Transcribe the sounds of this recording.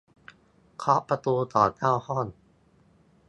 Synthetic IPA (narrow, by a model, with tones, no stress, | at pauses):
kʰɾɔ˦˥pɾa˧t̪uː˧t̪ɔː˨˩t̪aː˥˩whɔ˥˩n